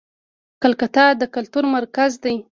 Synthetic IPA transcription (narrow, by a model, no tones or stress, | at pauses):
kalkat̪ɑd̪əkalt̪uɾmaɾkazd̪aj